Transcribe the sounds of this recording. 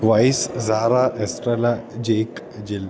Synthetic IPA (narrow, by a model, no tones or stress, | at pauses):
ʋajszaɾaʔesʈɾelad͡ʑek | d͡ʑil